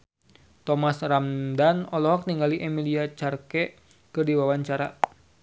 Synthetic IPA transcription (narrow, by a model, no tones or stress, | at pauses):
t̪ɔmasramdanɔlɔɦɔk̚niŋɡaliʔɛmiliat͡ʃarkɛ | kɨrdiwawaɲt͡ʃaɾa̰